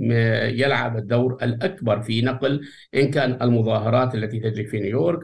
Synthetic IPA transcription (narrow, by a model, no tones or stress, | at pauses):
jɪlʕa̰bɪd̪ːawɾɪlʔakbɑɾˤfinɑql | ʔɪnkaːnɪlmʊðˤɑːɦɑɾˤɑːt̪ʔalːat̪it̪ɪd͡ʒɾifinujoːɾk